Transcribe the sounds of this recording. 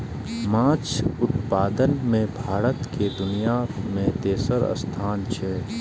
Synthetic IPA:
mãːt͡ʃʰʊt̪paːd̪ənmẽbʱaːɾət̪ked̪ʊnijamẽt̪eːsəɾə̰st̪ʰaːnt͡ʃʰɛː

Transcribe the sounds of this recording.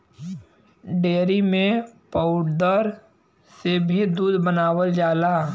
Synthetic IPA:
ɖeːɾimẽpəʊʈd̪əɾ | sebʱid̪uːd̪bənaːwəld͡ʒaːlaː

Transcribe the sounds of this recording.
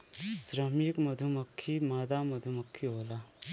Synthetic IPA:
sɾəmikmɐd̪ʱumɐkʰːimad̪amɐd̪ʱumɐkʰːiɦola

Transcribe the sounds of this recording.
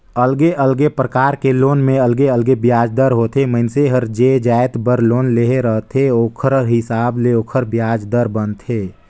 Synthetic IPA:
əlɡeʔəlɡepɾəkaːɾkeloːnmẽəlɡeəlɡebjaːd͡ʒd̪əɾɦoːt̪ʰeməɪnseɦəɾd͡ʒed͡ʒaːet̪bəɾloːnleɦeɾəɦt̪ʰeoːkʰəɾɦɪsaːbleoːkʰəɾbjaːd͡ʒd̪əɾbənt̪ʰeː

